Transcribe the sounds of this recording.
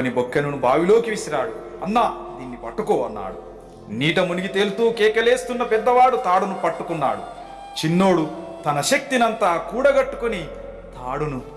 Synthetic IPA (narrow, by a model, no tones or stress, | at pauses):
nibokːɐnunubaːʋilo̞ːkiʋisiɾaːɽuɐnːaːd̪iːnːipɐʈːukɔːɐnːa̰ːɽu | niːʈɐmuniɡit̪eːlut̪uːkɛːkɐle̞ːst̪unːɐpɛd̪ːɐʋaːɽut̪aːɽunupɐʈːukunːa̰ːɽu | t͡ʃinːo̞ːɽut̪ɐnɐʃɐk̚t̪inɐnt̪aːkuːɽɐɡɐʈːu̥kuni | t̪aːɽunu